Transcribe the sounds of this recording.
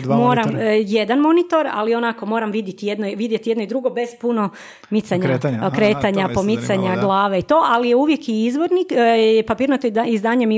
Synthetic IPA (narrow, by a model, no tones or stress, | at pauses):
mo̞ːɾamje̞d̪anmo̞nit̪o̞ɾa̰lio̞nako̞mo̞ːɾamʋid̪jet̪ije̞d̪noʋid̪jet̪ije̞d̪noid̪ɾuɡo̞be̞z̥puno̞ | mit̪saɲɾkɾe̞ːt̪aɲapo̞mit̪saɲaɡlˠaːʋeit̪o̞ːʔalijeuʋje̞kiizʋo̞ɾnijɛpapiːɾnat̪oizd̪aːɲemi